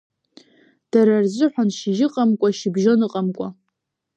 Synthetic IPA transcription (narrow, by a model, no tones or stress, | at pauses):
d̥aɾard͡ʒʷɨħʷᶣanʃiʒɪqʼamkʷʼaʃibʒonɨqʼamkʷʼa